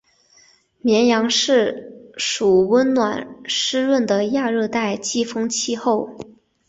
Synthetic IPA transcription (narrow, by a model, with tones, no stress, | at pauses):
mjɛ˧˥njɑ˧˥ŋʂɻ̩˥˩ʂu˨˩wə˥nnwa˨˩nʂɻ̩˥ɻwə˥˩nd̪ə˩ja˥˧ɻɤ˥˧t̪a˥˧ɪt͡ɕi˥˩fɤ˥ŋt͡ɕʰi˥˧xo˥˩ʊ